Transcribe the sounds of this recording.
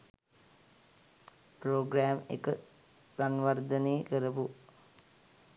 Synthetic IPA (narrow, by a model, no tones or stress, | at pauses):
proːɡɾæːmḛkə | sanʋəɾd̪əneːkəɾəpu